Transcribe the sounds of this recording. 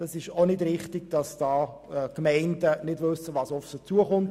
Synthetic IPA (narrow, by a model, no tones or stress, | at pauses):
d̥ɑsɪʃonɪdɾɪχtɪɡ̚d̥ɑsd̥ɑː | ɛkmɛɪndənɪdʋɵsːəʋɑːsɔfsot͡suəχʊmt